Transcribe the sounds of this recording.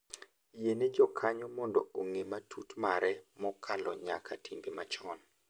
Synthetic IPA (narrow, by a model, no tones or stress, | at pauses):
jened͡ʒɔkʰaɲɔmɔndɔ̰oŋematʰutmaɾɛmɔkʰalɔ̰ɲa̰kʰatʰimbemat͡ʃɔn